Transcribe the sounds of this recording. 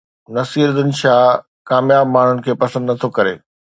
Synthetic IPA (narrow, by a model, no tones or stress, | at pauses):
nɐsiːɾd̪ɪn̆ʃaː | kaːmjaːb̚maːɳ̤ʊnɪ̆kʰeːpɐsə̃nd̪nɐt̪ʰokɐɾeː